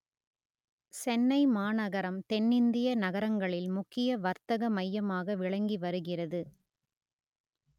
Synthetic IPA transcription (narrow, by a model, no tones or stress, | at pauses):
sɛnːɐɪmaːnɐɣɐɾɐmt̪ɛnːɪnd̪ɪjɐnɐɣɐɾɐŋɡɐɭɪlmʊkːɪjɐʋɐɾt̪ɐɣɐmɐjːɐmaːɣɐʋɪɭɐŋɡiʋɐɾɯɣɪrɐðɯ